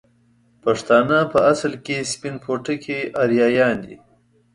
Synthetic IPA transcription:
paʂt̪ɑːnapəaslkespinpʰoʈəkʰeʔaɾjɑːjɑːnd̪ḭ

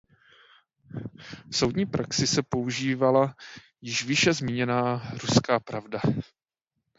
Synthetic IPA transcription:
fso̞wdɲiːpɾaksɪsɛpo̞uʒiːvala | jɪʃvɪʃɛzmɪɲɛnaːɾuskaːpɾavda

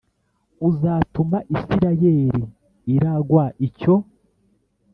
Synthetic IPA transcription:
uzaːtumaʔisiɾajeɾiː | ɾaɡwaːʔico̞

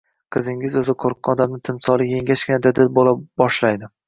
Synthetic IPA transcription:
qʰɨzɪŋɪzɵzɪqʰoɾq̚ːɒd̪amnɪt̪ʰɪmsɒlˠɪje̞ŋʲaʃkʲɪnɪd̪ad̪ɪlbolabɒʃlajd̪ɪ

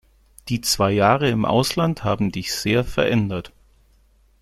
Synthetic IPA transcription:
d̥iːt͡sv̥aɪjaːʁəɪmʔa̰ʊslanthaːbm̩dɪçz̥eːɐfɛɐʔɛndɐt

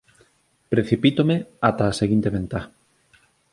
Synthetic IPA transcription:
pɾeθipit̪omeat̪aːseɣint̪eβent̪a

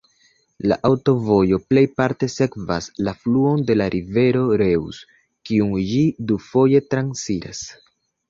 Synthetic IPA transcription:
la̰ʔawto̞vo̞jo̞ple̞jpaɾte̞se̞kva̰slafluo̞nde̞laɾʔive̞ɾo̞ɾe̞wus | kiuŋd͡ʒidufo̞je̞tɾansiɾa̰s

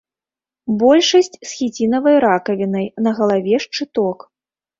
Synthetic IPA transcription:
bɔlʲʂɐsʲt͡sʲsxʲit͡sʲinɐvɐjɾakɐvʲinɐjnɐɣɐlˠavʲɛʂt͡ʂɨt̪ɔk

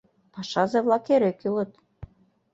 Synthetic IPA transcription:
pɑʃɑzeβlˠɑkeɾekylɤ̆t̪

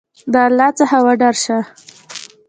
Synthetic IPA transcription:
d̪alɑt͡sahawaɖaɾʃa

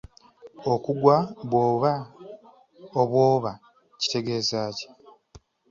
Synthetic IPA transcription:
o̞kuɡwaβwo̞ːβa | oβwo̞ːβa | ci̥te̞ɡe̞ːzaːce̥

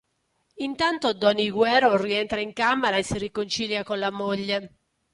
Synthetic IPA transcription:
int̪ant̪od̪ɔniɡwɛːɾoriɛnt̪ɾaiŋkameɾaesːirikont͡ʃiljakonlamoʎːe

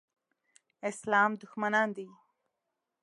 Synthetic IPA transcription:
ɪslɑːmd̪ʊxmanɑnd̪i

